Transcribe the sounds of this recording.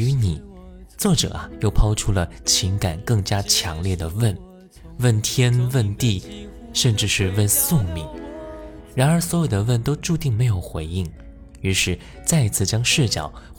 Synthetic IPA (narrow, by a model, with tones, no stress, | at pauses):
y˧˥ni˨˩˦ | t͡swɔ˥˩ʈ͡ʂɤ̰˨˩ɐ˦jo˥˩ʊpʰɑ˥ʊʈ͡ʂʰu˥lə˨t͡ɕʰi˧˥ŋka˨˩nkɤ˥˩ŋt͡ɕja˥t͡ɕʰjɑ˧˥ŋljɛ˥˩d̪ə˩wə˥˩n | wə˥˩nt̪ʰjɛ˥nwə˥˧nt̪i˥˩ʂə˥˧nʈ͡ʂɻ̩˥˧ʂɻ̩˥˧wə˥˧nsʊ˥˩ŋmi˧˥ŋ | ɻa˧˥nə˞˧˥swɔ˧˥jo˨˩d̪ə˩wə˥˩nt̪o˥ʊʈ͡ʂu˥˧t̪i˥˩ŋme˧˥ɪjo˨˩ʊxwe˧˥ɪi˥˩ŋ | y˧˥ʂɻ̩˥˧ | t͡sa˥˧ɪ˧t͡sʰɹ̩˥˩t͡ɕjɑ˥ŋʂɻ̩˥˩t͡ɕjɑ̰˨˩˦ʊ